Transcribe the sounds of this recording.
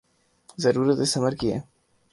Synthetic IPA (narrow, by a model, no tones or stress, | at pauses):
zɐɾuɾət̪esɐmɐɾkiḛ